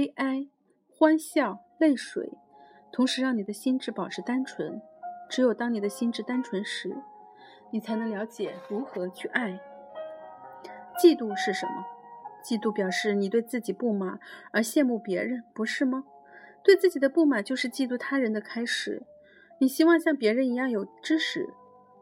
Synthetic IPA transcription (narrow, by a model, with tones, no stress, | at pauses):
e˥ɪʔa˥ɪ | xwa˥nɕjɑ˥˩ʊ | le˥˩ɪʂwḛ˨˩˦ɪ | t̪ʰʊ˧˥ŋʂɻ̩˧˥ɻɑ˥˩ŋni˨˩d̪ə˦ɕi˥nʈ͡ʂɻ̩˥pɑ˨˩ʊʈ͡ʂʰɻ̩˥t̪a˥nʈ͡ʂʰwə˧˥nʈ͡ʂɻ̩˧˥jo˨˩ʊt̪ɑ˥ŋni˨˩d̪ə˦ɕi˥nʈ͡ʂɻ̩˥˩t̪a˥nʈ͡ʂʰwə˧˥nʂɻ̩˧˥ | ni˨˩t͡sʰa˧˥ɪnɤ˧˥ŋljɑ˧˥ʊt͡ɕjɛ˨˩ɻu˧˥xɤ˧˥t͡ɕʰy˥˧ʔa˥˩ɪ | t͡ɕi˥˧t̪u˥˧ʂɻ̩˥˩ʂə˧˥nmə˧t͡ɕi˥˧t̪u˥˩pjɑ˨˩ʊʂɻ̩˥˩ni˨˩t̪we˥˧ɪt͡sɹ̩˥˩t͡ɕi˨˩pu˥˩ma˨˩˦ə˞˧˥ɕjɛ˥˧nmu˥˩pjɛ˧˥ɻə˧˥npu˧˥ʂɻ̩˥˩mɐ˩ | t̪we˥˧ɪt͡sɹ̩˥˩t͡ɕi˨˩d̪ə˦pu˥˩ma˨˩t͡ɕjo˥˧ʊʂɻ̩˥˧t͡ɕi˥˧t̪u˥˩t̪ʰa˥ɻə˧˥nd̪ə˧kʰa˥ɪʂɻ̩˨˩˦ | ni˨˩ɕi˥wɑ˥˧ŋɕjɑ˥˩ŋpjɛ˧˥ɻə˧˥ni˧˥jɑ˥˩ŋjo˨˩ʊʈ͡ʂɻ̩˥ʂɻ̩˨˩˦